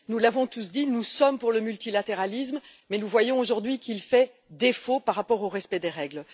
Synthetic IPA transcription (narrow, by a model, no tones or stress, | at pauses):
nulavɔ̃t̪us̬d̪inusɔmpuʁləmylt̪ilat̪eʁalismmɛnuvwajɔ̃oʒuʁd̪ɥikilfɛ | d̪efopaʁapɔʁoʁɛspɛd̪eʁɛɡl